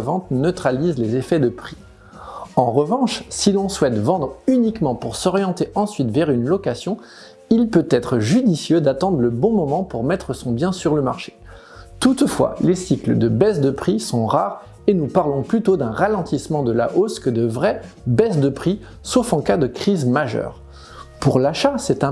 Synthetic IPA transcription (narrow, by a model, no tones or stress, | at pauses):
vɑ̃t̪nət̪χalizlezefɛd̪əpχi̥ | ɑ̃ʁəvɑ̃ʃsilɔ̃swɛt̪vɑ̃d̪ʁynikmɑ̃puʁsɔʁjɑ̃t̪eʔɑ̃sɥit̪vɛʁynlɔkasjɔ̃ | ilpøt̪ɛt̪χəʒyd̪isjød̪at̪ɑ̃d̪ʁləbɔ̃mɔmɑ̃puʁmɛt̪χəsɔ̃bjɛ̃syʁləmaʁʃe̥ | t̪ut̪fwa̰lesikləd̪əbɛsd̪əpχisɔ̃ʁaʁ | enupaʁlɔ̃plyt̪od̪ɛ̃ʁalɑ̃t̪ismɑ̃d̪əla̰ʔoskəd̪əvʁɛbɛsd̪əpχi | sofɑ̃kad̪əkχizmaʒœ̰ːʁ | puʁlaʃasɛt̪ɛ̃